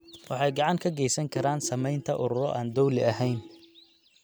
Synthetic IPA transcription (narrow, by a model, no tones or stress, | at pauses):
wʔɑħɑjɡɑʕɑŋkʰɐɡɛjsɐŋkʰɐɾaːnsɐmɛjnt̪ʰɐʔʊɾʊɾɔ̰ʔaːnd̪ɔwlɪɐɦɛjn